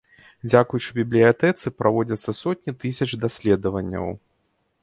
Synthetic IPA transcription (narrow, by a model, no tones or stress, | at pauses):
d͡zʲakujut͡ʂɨbʲiblʲijat̪ɛt̪sɨpɾavɔd͡zʲɐt̪sːɐsɔt̪̚ʲnʲit̪ɨsʲɐt͡ʂd̪asʲlʲɛd̪ɐvɐnʲːɐ̰w